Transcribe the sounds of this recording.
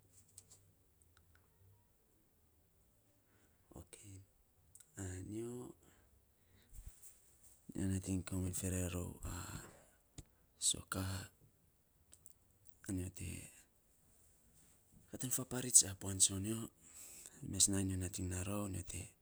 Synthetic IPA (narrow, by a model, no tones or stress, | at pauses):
o̰kʰe | anio | nḭonatiŋkomenfe̞ɾeɾo̰wa | so̞̰kaha | nio̞te̞̰ | katanfapaɾit͡ʃapoansonio | mesnanionatiŋnaɾonio̰tʰe̞̰